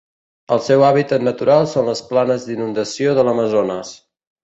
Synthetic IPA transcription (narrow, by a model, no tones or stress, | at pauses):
əlˠsɛwaβit̪ət̪nət̪uɾalˠsonləsplanəzd̪inund̪əsioðələməzonəs